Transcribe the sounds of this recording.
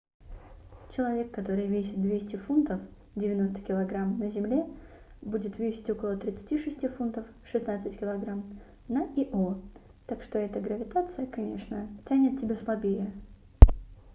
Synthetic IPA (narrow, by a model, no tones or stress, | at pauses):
t͡ɕɪlˠɐvʲe̞kːɐt̪o̞ɾɨjvʲes̬ʲɪt̪̚d̪vʲesʲtʲɪfunt̪əf | dʲɪvʲɪno̞st̪ə̥kʲɪlˠɐɡɾamnəzʲɪmlʲe̞ | budʲɪt̪vʲesʲɪ̥tʲo̞kəlˠət̪ɾʲɪt̪sɨ̥tʲiʂɨsʲtʲifunt̪əf | ʂɨsnat̪sɨtʲkʲɪlˠɐɡɾam | nəiʔo | t̪akʂt̪o̞ɛt̪əɡɾəvʲɪt̪at̪sɨjəkɐnʲe̞̰ʂnətʲænʲɪt̪̚tʲːɪbʲeslˠɐbʲejə